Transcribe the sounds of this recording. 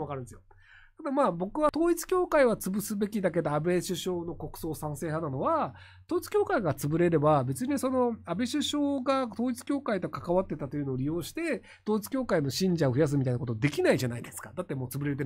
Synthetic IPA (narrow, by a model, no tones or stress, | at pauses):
βakaɾɯ̟nd̪esjo | t̪ad̪amaːbo̞kɯ̟βat̪o̞ːit͡sɨ̥kʲo̞ːkaiβat͡sɨbɯsɨbe̞kʲid̪ak̬e̞d̪oabe̞ɕɨɕo̞ːno̞ko̞kɯ̟̥so̞ːsãɰ̃se̞ːɦãnːano̞βa | t̪o̞ːit͡sɨ̥kʲo̞ːkaiɡat͡sɨbɯ̟ɾe̞ɾe̞babe̞t͡sɨɲ̟iso̞no̞abe̞ɕɨɕo̞ːɡat̪oːit͡sɨ̥kʲo̞ːkait̪o̞kakaβat̪ːe̞t̪at̪o̞jiɯ̟no̞ːɾʲijo̞ːɕi̥t̪e̞ | t̪oːit͡sɨ̥kʲo̞ːkaino̞ɕĩɲ̟d͡ʑaoɸɯ̟jas̬ɨmʲit̪ainakot̪od̪e̞kʲinaiʑanaid̪esɨ̥kad̪at̪ːe̞moːt͡sɨbɯɾeɾet̪e